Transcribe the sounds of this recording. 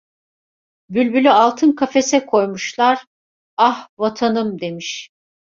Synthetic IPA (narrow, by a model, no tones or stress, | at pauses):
bylʲbylʲyalˠt̪ʰɯnkʰafe̞sɛkʰo̞jmuʃlˠaɾ̥ | ahvat̪ʰanɯmd̪e̞miʃ